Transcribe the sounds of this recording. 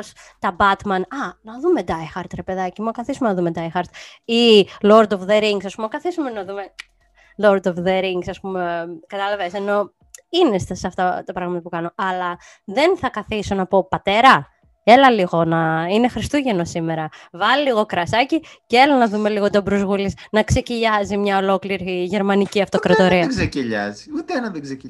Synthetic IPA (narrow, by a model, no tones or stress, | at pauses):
s | t̪ɐbɐt̪mɐnɐnɐðume̞d̪ɐixɐɾt̪ɾepe̞ðɐcimuokɐθisumenɐðumed̪ɐjxɐɾt̪iloɾd̪ovðeɾiŋɡsɐspumeokɐθisumenɐðume̞ | loɾd̪ofðeɾiŋɡsɐspumekɐt̪ɐlɐvese̞no̞ | inest̪sɐft̪ɐt̪ɐpɾɐɣmɐt̪ɐpukɐno̞ʔɐlɐ | ðe̞nθɐkɐθiso̞nɐpo̞pɐt̪e̞ɾɐ | e̞lɐliɣo̞nɐine̞xɾist̪uʝe̞no̞sime̞ɾɐvɐliliɣo̞kɾɐsɐciceelɐnɐðume̞liɣo̞t̪o̞bɾuzɣulisnɐkse̞ciʎɐzimɲɐo̞lo̞kliɾiʝe̞ɾmɐniciɐft̪okɾɐt̪o̞ɾiɐɡzeciʎɐ̰ziut̪eenɐðeɡze